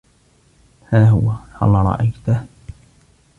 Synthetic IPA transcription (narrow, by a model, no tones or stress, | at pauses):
haːɦʊwaʔɑ̰lˤːɑːɾˤɑ̰ʔajt̪a